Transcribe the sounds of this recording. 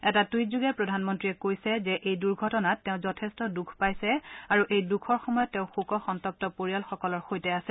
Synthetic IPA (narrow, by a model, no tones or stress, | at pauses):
ɛtatujzuɡɛpɹɔdʱanmɔntɹiɛkojsɛzɛʔejduɹɡʱɔtɔnatːɛʊ̃zɔtʰɛstɔdukʰpajsɛaɹuʔejdukʰɔɹxɔmɔjɔtːɛ̃ʊ̃xukɔxɔntɔp̚tɔpoɹijalxɔkɔlɔɹxojtɛasɛ̥